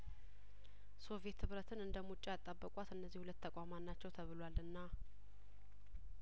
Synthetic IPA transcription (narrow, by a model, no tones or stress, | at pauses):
so̞vje̞t̪hɨβɾət̪ʰɨnɨnd̪əmut͡ʃʼːaat̪ʼːabːəkʼwat̪ɨnːəzːihulət̪ʰːəkʼamanːat͡ʃːɛwt̪ʰəβɨlwalɨnːa